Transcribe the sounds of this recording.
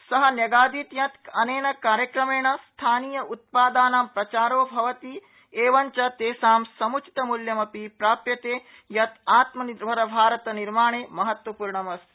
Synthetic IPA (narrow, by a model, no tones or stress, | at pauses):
sɐɦɐnjɐɡaːd̪iːt̪jɐt̪ɐneːɳɐkaːɾjɐkɾɐmeːɳɐst̪ʰaːniːjɐʔut̪̚paːd̪aːnaːmpɾɐt͡ʃaːɾoːbʱɐʋɐt̪i | eːʋɐɲt͡ʃɐt̪eːsaːmsɐmut͡ʃi̥t̪ɐmuljɐmɐpipɾaːpjɐt̪eː | jɐt̪aːt̪mɐnibʱɐɾɐbʱaːɾɐt̪ɐniɾmaːɳ̃eːmɐɦɐt̪wɐpuːɾɳɐmɐs